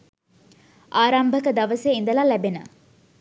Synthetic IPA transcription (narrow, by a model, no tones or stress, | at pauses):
aːɾɐmbʱəkəd̪ɐʋəseind̪əlalɛbenə̰